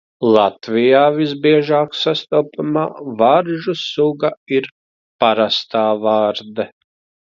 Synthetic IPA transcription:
lˠat̪vijaːviszbiɛʒaːksast̪ɔːpama̰ːvaɾʒusuɡaiɾ | paɾast̪aːvaːɾd̪ɐ

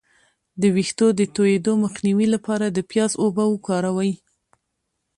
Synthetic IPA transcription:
d̪əwixt̪od̪ət̪ojed̪oməxniwilapɑɾad̪əpjɑzobawukɑɾawaj

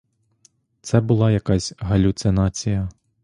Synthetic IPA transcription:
t̪sɛbʊlˠɑjɐkɑzʲɦɐlʲut̪sɪnɑt͡sʲijɐ

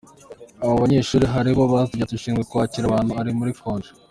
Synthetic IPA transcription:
aβoβaɲe̞ʃuːɾiɦaɾiβo̞βaziɟatuʃiːŋɡekuβaciɾaβaːn̥huaɾimuɾifoːnʒe

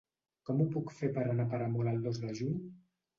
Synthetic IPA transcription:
kɔmupukfepəɾənapəɾəmoləlˠd̪ozðəʒuɲ

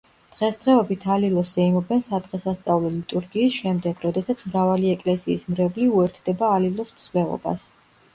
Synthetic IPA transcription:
d̪̥ʁɛsd̪̥ʁɛɔbit̪ʰalilˠɔsɛimɔbɛnsad̪ʁɛsast̪sʼavlɔlit̪ʼuɾɡiːsʃɛmd̪ɛɡ̥ɾɔd̪ɛsat̪sʰmɾavaliɛkʼlɛsiːsmɾɛbliuɛɾt̪ʰd̪ɛbaːlilˠɔsmsvlɛlˠɔ̰ba̰s

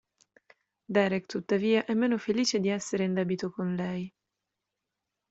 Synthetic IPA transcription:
d̪ɛɾɛkt̪ut̪ːaviːaʔɛmːeːnofeliːt͡ʃed̪iɛsːeɾeind̪ɛːbit̪okonlɛj

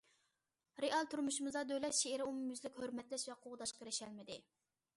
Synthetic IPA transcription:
ɾeɑlˠt̪ʰyɾmuʃumɨzɑd̪øjlɛt̪ʃeɪɾɪumumyzlɪkʲhøɾmɛt̪lɛʃvɛqʰoʁd̪ɑʃqʰəɾɪʃɛlmɪd̪ɪ

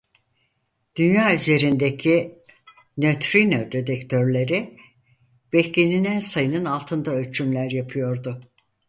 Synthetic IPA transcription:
d̪̥ynjaːyze̞ɾind̪ecʰi | nøt̪ɾinod̪ed̪ɛkt̪ʰøɾlʲe̞ɾi | b̥ɛçlʲeninænsajɯnɯnalˠt̪ʰɯnd̪aølʲt͡ʃʰymlʲæɾjapʰɯjo̞ɾd̪ʊ

